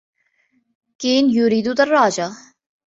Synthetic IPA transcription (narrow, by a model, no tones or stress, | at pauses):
keːnjuɾiːd̪ut̪ɐrːaːd͡ʒa